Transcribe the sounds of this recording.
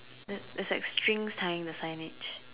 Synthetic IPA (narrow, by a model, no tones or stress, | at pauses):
dɛdɛsɛ̰kstʰɹĩŋstʰaɪɪ̃ŋdəsãɪ̃nɪt͡ʃ